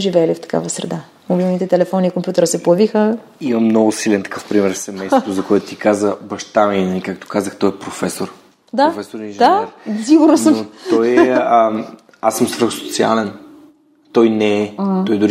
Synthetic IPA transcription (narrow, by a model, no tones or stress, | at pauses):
ʒivɛɐlift̪ɐ̥ka̰vəsɾɛ̰d̪a | mobilˠnit̪ɛt̪ɛlɛfɔniːkompʲjut̪ɛɾəsɛpoɐvixə | imɐmnɔɡʊsilɛnt̪ɐ̥kɤfpɾimɛɾsɛmɛjst̪ozɐkoɛt̪ʊt̪ikazəbɐʃt̪aminɐlikak̚t̪o̥kazəxt̪ɔjɛpɾofɛsoɾ | d̪afɛsoɾniʒd̪aɛɾsiɡʊɾnosənmt̪ɔjɛə | asːəmsvɾəxso̥t̪sia̰lɛn | t̪ɔjnɛːɔjd̪ʊɾi